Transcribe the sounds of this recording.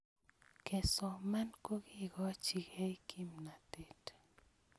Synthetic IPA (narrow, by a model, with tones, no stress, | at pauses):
ke˨so˨ma˦nku˦ki˦ɡo˦t͡ʃi˨ke˦jkʰi˦mna˨t̪i˦t